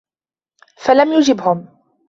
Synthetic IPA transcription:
falamjʊd͡ʒɪbhʊm

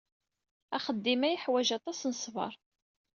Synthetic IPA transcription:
æχəd̪ːimæjəħwæʒɑt̪ˤɑsnəsˤvɑ̰ɾˤ

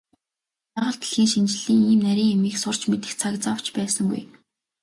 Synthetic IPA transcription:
paʁə̆ɬt̪ə̆ɮxiːŋʃint͡ɕɪ̆ɮiːŋiːmnæɾʲiːŋemiːksʊr̥t͡ɕmet̪ɘ̆xt͡sʰakt͡saw̥t͡ɕpæːsə̆ŋɡṵj

